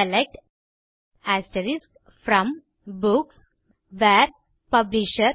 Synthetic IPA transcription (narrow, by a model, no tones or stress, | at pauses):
əlek̚ʈ | æsʈəɾisk | fɾɔ̃m | buks | ʋɛɾ | pʌbliʃəɾ